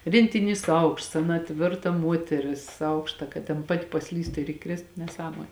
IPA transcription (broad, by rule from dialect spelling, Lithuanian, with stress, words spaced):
rʲeːnʲtʲɪˈnʲiːs ˈɐʊkʃts ˈɑːˌnɐ ˈtʲʋʲɪrtɐ ˈmuɔtʲɛrʲɪs ˈɐʊkʃtɐ kɐt tʲɛn ˈpɑːtʲɪ pɐˈsʲlʲiːstʊ ɪr ɪˈkrʲeːstʊ nʲɛˈsɑːmoːnʲ